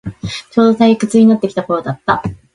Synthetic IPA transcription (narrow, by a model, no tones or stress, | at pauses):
t͡ɕo̞ːd̪o̞saikɯ̟t͡sɨɲ̟inat̪ːe̞kʲi̥t̪ako̞ɾod̪at̪ːa